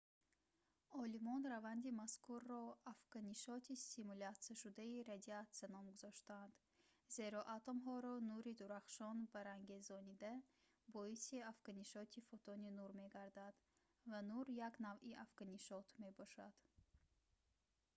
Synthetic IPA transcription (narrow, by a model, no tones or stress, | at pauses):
ɔlimɔnɾavand̪imaskʰuɾːɔafɡ̥aniʃɔt̪ʰisimulat̪saʃud̪aiɾad̪iat̪sanɔmɡuzɔʃt̪and̪̥ | ze̞ɾɔʔat̪ʰomɦɔɾɔnuɾid̪uɾaχʃɔnbaɾaŋɡe̞zɔnid̪a | bɔisiafɡaniʃɔt̪ʰifɔt̪ʰɔninuɾme̞ɡaɾd̪ad̪ | vanuɾjaknaviʔafɡaniʃɔt̪ʰme̞bɔʃad̪̥